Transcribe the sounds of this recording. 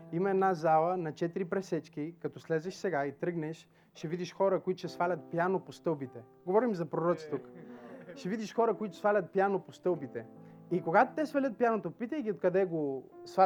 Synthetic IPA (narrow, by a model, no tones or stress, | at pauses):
imɐɛd̪nazalˠənɐt͡ʃɛt̪iɾipɾɛsɛt͡ʃkikɐt̪ɔslɛzɛʃsɛɡait̪ɾɤɡnɛʃ | ʃɛvid̪iʃxɔɾəkoit̪o̥ʃɛsfalʲɐt̪̚pjanopost̪ɤlˠbit̪ɛ | ɡovɔɾimzɐpɾoɾɔt̪si̥t̪ukʃɛvid̪iʃxɔɾəkoit̪o̥sfalʲɐt̪̚pjanopost̪ɤlˠbit̪ɛikoɡat̪ot̪ɛsvɐlʲət̪̚pjanot̪opit̪əjɡʲiot̪kɐd̪ɛɡosva